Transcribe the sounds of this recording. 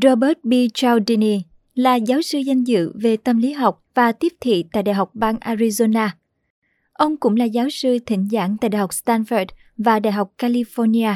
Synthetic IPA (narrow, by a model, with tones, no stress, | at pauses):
zo˧ɓə˦˥t̚ɓi˧t͡ɕa˧wɗi˧ni˧ | laː˨˩zaː˨˦wsɨ˧za˧jŋ̟zɨ̰˧˨ve˨˩t̪ə˧mli˨˦ɦa˨˩wk͡p̚vaː˨˩t̪i˦˥əp̚t̪ʰḭ˧˨t̪a̰ː˧˨jɗa̰˧˨jɦa˨˩wk͡p̚ɓaː˧ŋʔaː˧ɾi˧zo˧naː˧ | ʔə˧wŋ͡mkʊ̰˧˥ŋ͡mlaː˨˩zaː˨˦wsɨ˧t̪ʰï˧˩ŋ̟za̰ː˧˩ŋt̪a̰ː˧˨jɗa̰˧˨˩hk͡p̚st̪aː˧nfə˨˩d̚ | vaː˨˩ɗa̰ː˧˨jɦa˨˩wk͡p̚kaː˧li˧fɔ˧ni˧aː˧